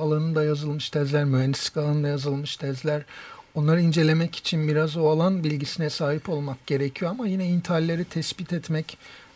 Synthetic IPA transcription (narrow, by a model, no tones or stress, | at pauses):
alˠanɯd̪ajazɯlˠmɯʃt̪ʰɛzlʲæɾmyɦɛnd̪isi̥kalˠanɯd̪ajazɯlˠmɯʃt̪ʰɛzlʲæɾ̥ | o̞nlˠaɾaind͡ʒe̞lʲe̞mɛci̥t͡ʃʰinbiɾazoalˠanbilʲɟisinɛsaːɦipo̞lˠmak̚ɟ̥e̞ɾecʰijo̞amajinɛint̪ʰiɦalʲːe̞ɾit̪ʰɛsbit̪ʰɛt̪mɛc